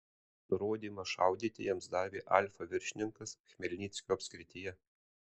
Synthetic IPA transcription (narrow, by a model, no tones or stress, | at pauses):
nʊɾoːd̪ʲiːmɐʃɑ̰ˑʊd̪ʲiːt̪ʲɪjɛmsd̪ɑːʋʲiːʔɑ̰ˑlʲfɐʋʲɪɾʲʃʲɪnʲɪŋkɐsxʲmʲɛlʲnʲiːt̪sʲkʲoːɐpʲsʲkɾʲɪt̪ʲɪjɛ